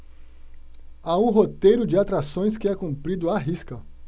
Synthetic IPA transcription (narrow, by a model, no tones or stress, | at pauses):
aũɦot̪ejɾʊd͡ʒɪat̪ɾasõj̃skɪɛkũmpɾid̪ʊaɦiskɐ